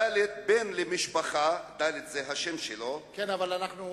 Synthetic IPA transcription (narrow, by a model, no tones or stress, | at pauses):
alet̪̚benlemiʃpaχad̪alet̪zeɦaʃemʃelo̞kenavalanaχnu